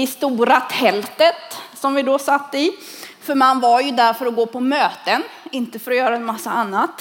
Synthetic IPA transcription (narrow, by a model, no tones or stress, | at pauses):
ɪst̪uːɾat̪ʰɛlt̪ət̪sɔmvɪd̪ɔsat̪ːəɪfœɾmanvaɾjɵd̪æɾfœɾɔɡoːpʰɔmøːt̪ənɪnt̪əfœɾɔjœːɾaɛnmasːaanːat̪